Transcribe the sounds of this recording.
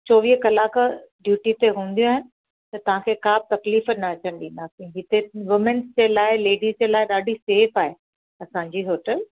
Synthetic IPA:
t͡ɕoːʋiːɦkɐlaːkɖjuːʈit̪eɦũːn̆d̪ijũaːɦɪnɪ̆ | t̪ɐt̪ɐʋ̤ãkʰekaːb̚t̪ɐkliːfənɐɐt͡ɕəñɗĩːn̆d̪aːsĩɦɪt̪eʋɪmənzd͡ʑeːlaːɪleːɖizd͡ʑeːlaːɪɗaːɖʱiseːfaːɦe | ɐsãːɲd͡ʑiːɦoːʈəl

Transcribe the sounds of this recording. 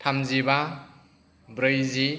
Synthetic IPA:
tʰamziba | bɾɯjzi

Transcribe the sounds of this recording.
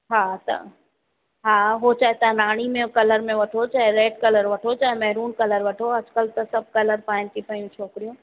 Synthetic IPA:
ɦaːt̪ɐ̰ | ɦaɦot͡ʃaːɦet̪ɐnaːɽ̃imẽkɐləɾmẽʋɐʈʰot͡ʃaːɦeɾeːɖkɐləɾʋɐʈʰot͡ʃaːɦemɛɦɾuːnkɐləɾʋɐʈʰoɐd͡ʒkəlt̪ɐsɐb̚kɐləɾpaːɪnt̪ipəjũt͡ʃʰoːkɾijõː

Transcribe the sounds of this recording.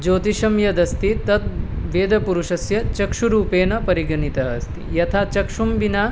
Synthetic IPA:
d͡ʒoːt̪iʃɐmjɐd̪ɐst̪it̪ɐt̪̚ʋeːd̪ɐpuɾuʂɐsjɐt͡ʃɐkʂuɾuːpeːnɐpɐɾiɡɐnit̪ɐɦɐst̪ḭjɐt̪ʰaːt͡ʃɐkʂumbinaː

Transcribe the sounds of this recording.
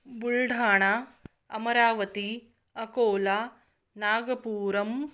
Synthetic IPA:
buɭɖʱaːɳa | ɐ̰mɐɾaːʋɐt̪i | ɐkoːla | naːɡɐpuːɾɐm

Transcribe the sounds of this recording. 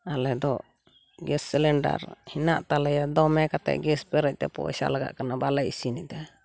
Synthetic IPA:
alɛd̪ɔ | ɡɛsːilɛɳɖa̰ɾhinaʔt̪alɛjad̪ɔmɛkat̪ɛ̰ʔɡɛspɛɾɛc̚t̪ɛ̰pɔ̰ɛ̰sa̰laɡa̰ʔkanabalɛʔisinɛd̪ɛ

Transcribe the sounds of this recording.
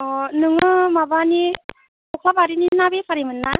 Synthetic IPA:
ɔnɯŋɯmabani | kʰɔkʰlapaɾininabepʰaɾimɯnːa

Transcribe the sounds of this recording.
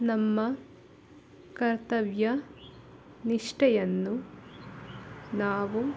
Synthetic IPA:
nɐmːɐ | kɐɾt̪ɐʋjɐ | niʂʈɐjɐnːu | naːʋu

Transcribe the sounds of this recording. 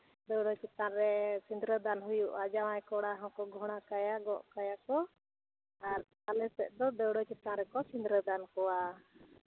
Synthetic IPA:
d̪ɛwɽɔt͡ʃit̪ãɾɛsind̪ɾəd̪anɦujuʔad͡ʒawajkɔɽaɦɔ̃kɔɡʱɔɽ̃akajaɡɔʔkajakɔ | aɾ | alɛsɛʔd̪ɔd̪ɛwɽɔt͡ʃit̪ãɾɛkɔsĩnd̪ɾəd̪ankɔwa

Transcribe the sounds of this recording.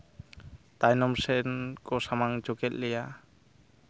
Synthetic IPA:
t̪ajnɔmsɛnkɔsamaŋd͡ʒɔkɛt̪̚lɛja

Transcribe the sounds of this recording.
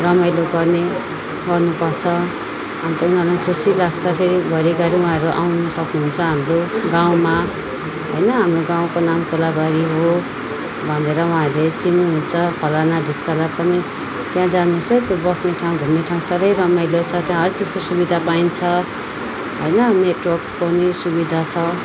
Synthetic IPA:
rʌmʌjloɡʌrne | ɡʌrnupʌrt͡sʰʌ | amit̪ʌunɦʌlakʰusilaɡt͡sʰʌpʰeɾibʱʌɾiɡʌɾiwũɦãɾuʔa̰wnʌsʌknuɦunt͡sʰʌɦamroɡaw̃ma | ɦojnʌɦamroɡãw̃konamkolaɡaɾiɦo | bʱʌneɾʌwũɦãlet͡sinːuɦunt͡sʰʌpʰʌlanadiskʌlapʌni | t̪jãd͡zanusʌt̪jobʌsneʈʰaw̃bʱumneʈʰaw̃ũsaɾʌjɾʌmʌjlot͡sʰʌt̪jãɦʌɾit͡sid͡zkosubid̪ʱapaint͡sʰʌ | ɦojnʌneʈwʌrkpʌnisubid̪ʱat͡sʰʌ

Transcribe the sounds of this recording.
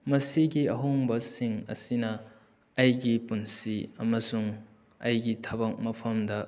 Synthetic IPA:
mɐsiɡiɐɦoŋbɐsiŋɐ̰sinɐ | ɐjɡipunsiɐmɐsuŋ | ɐjɡitʰɐbɐk̚mɐpʰɐmdɐ

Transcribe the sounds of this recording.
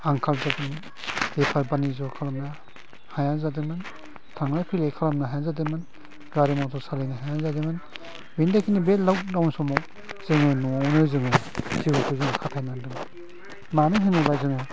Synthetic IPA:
aŋkʰalzadɯmɯn | epʰaɾbanizɔkʰalamna | hajanzadɯmɯn | tʰaŋlajpʰilejkʰalamnaɦajazademɯn | ɡaɾimɔtʰɔɾsalejnaɦajazademɯn | bindakʰinibellawdawnsɔmɔk | z̥eŋajnɔnɯzɯŋɯzibukʰɯzɯŋkʰatʰajnandɯm | manɯŋɦenubajzɯŋɯ

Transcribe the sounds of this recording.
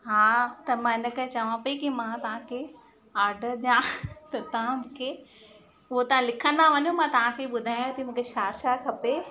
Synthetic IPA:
ɦaːt̪ɐmãːɪnə̆kɐɦt͡ɕɐʋãpɐikimãt̪ɐʋ̤ãkʰe | aːɾɖəɾɗãt̪ɐt̪ɐʋ̤ãmũːkʰe | ʊɦot̪ɐʋ̤ãlɪkʰə̃nd̪aʋɐɲũmãːt̪ɐʋ̤ãkʰeɓʊd̪ʱaːj̃õt̪ʰimũːkʰeʃaːʃakʰɐpe

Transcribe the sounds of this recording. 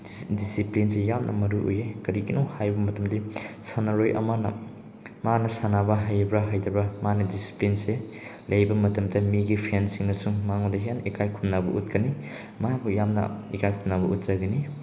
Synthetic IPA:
disiplinsejamnʔɐ̰mɐɾuʔo̰jekɐɾiɡinowhajbɐmɐtɐmdisanɐɾojʔɐ̰manɐ̰ | manɐsanabɐɦajbɾɐɦajdɐbɐmanɐdisi̥plinse | lɐjbɐmɐtɐmdɐmiɡipʰansiŋnɐsuŋmaŋodɐɦjanikajkʰumnabɐ̰ʔut̚kɐni | mabujamnɐ̰ikajkʰumnabɐut̚z̥aɡɐni

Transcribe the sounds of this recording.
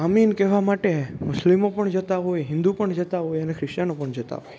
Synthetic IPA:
aminkɛʋamaʈemʊslimopəɳd͡ʒət̪aɦojɦɪ̃nd̪upəɳd͡ʒət̪aɦojənekʰɾɪʃt͡ʃanopəɳd͡ʒət̪a̰ɦoj

